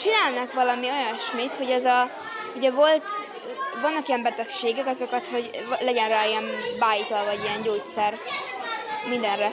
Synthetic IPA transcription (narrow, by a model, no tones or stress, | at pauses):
t͡ʃinaːlnɒkʋɒlɒmio̞jɒnʃmiːt̪ho̞ɟɛzɒ | uɟɛvo̞lt̪ | vɒnːɒkijɛmbɛt̪ɛkʃeːɡɛkɒzo̞kɒt̪ho̞ɟlɛɟɛnraiɛnbaːjit̪olvɒɟiɛɲɟoːtt̪sɛr | mind̪ɛnrɛ